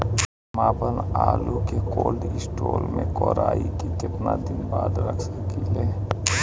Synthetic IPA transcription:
maːbənaːlukekoːlɖɪsʈoːlmẽkɔːɾaːikikɪp̪nad̪ɪnbaːd̪ɾəkʰsəkileː

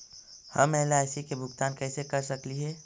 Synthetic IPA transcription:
həmɛɦlaːsikebʱʊɡt̪aːnkɛːsekəɾsəkliɦɛː

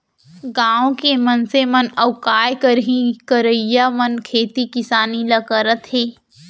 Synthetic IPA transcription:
ɡãːõkemɐnsemɐnɐʊkaːjkəɾɦĩkəɾəijamɐnkʰeːt̪ikɪsaːnilɐkəɾət̪ɦeː

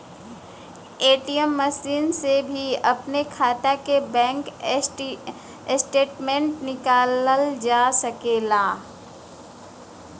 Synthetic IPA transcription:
eːʈijəmːɐsiːnsebʱiɐpnekʰaːt̪akebɛ̃ːŋk | sʈeːʈmẽɳʈnɪkaːləld͡ʒaːsɐkelaː

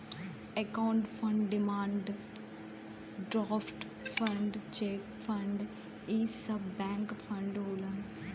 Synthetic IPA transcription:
ekaːʊ̃ɳɖfʰɐ̃ɳɖɖɪmãːɳɖ | ɖɾaːfʈ | fɐ̃ɳɖt͡ʃeːkfɐ̃ɳɖ | iːsɐbːɛ̃ːŋkfʰɐ̃ɳɖɦoːlən

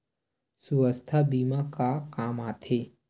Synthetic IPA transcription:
suʋəst̪ʰabiːmakakaːmaːt̪ʰeː

